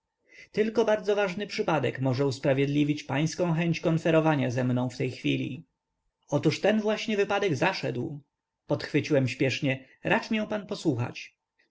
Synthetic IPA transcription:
t̪ɘlkɔbaɾd̪zɔvaʐnɘpʂɘpad̪ɛkmɔʐɛuspɾavʲjɛd̪lʲivʲit͡ɕpaj̃skɔ̃w̃xɛɲt͡ɕkɔnfɛɾɔvaɲazɛmnɔ̃w̃ft̪ɛjxfʲilʲḭ | ɔt̪uʂt̪ɛnvwaɕɲɛvɘpad̪ɛɡzaʂɛ̰d̪w | pɔt̪xfɘt͡ɕiwɛmɕpʲjɛʂɲɛ | ɾʔat͡ʂmʲijɛ̃w̃panpɔswuxa̰t͡ɕ

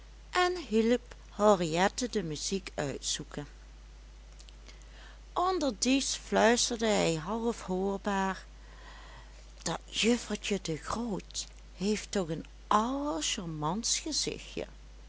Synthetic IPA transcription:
ʔɛnɦiləp | hɔriɛtədəmyzikœ̰ɥtsukən | ʔɔndəɹdisflœɥstəɹdəɦɛjɦɑlˠfhoːɹbaːɹ | d̥ɑtjøfəɹtədəɣroːt | hejftɔɣən | ʔɑwəɹʃɔɹmɑnsχəzɪ̰xjə̰

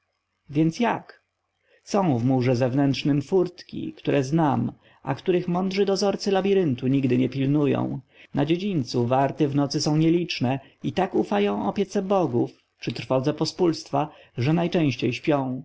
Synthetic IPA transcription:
vʲjɛnt̪sjak | sɔ̃w̃vmuʐɛzɛvnɛntʂnɘmfuɾt̪kʲḭkt̪uɾʔɛznam | ʔa̰kt̪uɾɘxmɔnd̪ʐɘd̪ɔzɔɾt̪sɘlabʲiɾɘnt̪uɲiɡd̪ɘɲɛpʲilnujɔ̰̃w̃nad͡ʑed͡ʑint̪suvaɾt̪ɛvnɔt̪sɘsɔ̃w̃ɲɛlʲit͡ʂnɛ | it̪akufajɔ̃w̃ɔpʲjɛt̪sɛbɔɡuf | t͡ʂɘt̪ɾfɔd̪zɛpɔspulst̪faʐɛnajt͡ʂɛ̃w̃ɕt͡ɕejɕpʲjɔ̃w̃

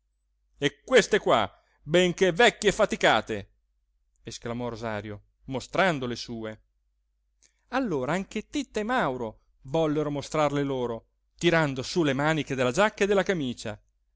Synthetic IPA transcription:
ekːwest̪ekwa̰ | bɛŋkevɛkːjefat̪ika̰ːt̪ḛ | esklamɔrozaːɾjo | most̪ɾand̪olesuːe | alːoːɾaaŋk̟et̪it̪ːemawɾo | vɔlːeɾomost̪ɾarleloːɾo | t̪iɾand̪osulemaːniked̪elːad͡ʒakːaed̪elːakamiːt͡ʃa̰

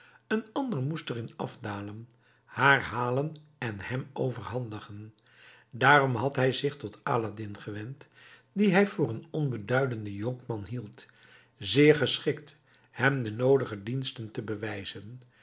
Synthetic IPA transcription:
ənɑndəɹmustərɪnɑ̰fdaːlən | haːɹɦaːlənɛnhɛmowvəɹɦɑndəχən | daːrɔmɦɑtɦɛjzɪχtɔta̰ːladɪnχəʋɛnt | diɦɛjvʊːɹənɔnbədœɥdəndəjɔŋkmɑnɦilˠt | zɪːɹχəsχɪkt | hɛmdənowdəχədinstəntəbəʋɛjzən

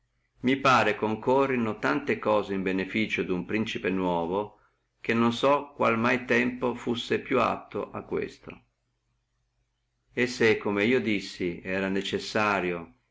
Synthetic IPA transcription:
mipaːɾekoŋkorːinʊt̪ant̪ekɔːzeimbenefiːt͡ʃod̪umpɾint͡ʃipenwɔːvo | k̟enːonsɔkːwalmajt̪ɛmpofusːepjua̰t̪ːo̰ʔakːwḛst̪o̰ | esːekːomeiːod̪isːiɛːɾanet͡ʃesːaːɾjo

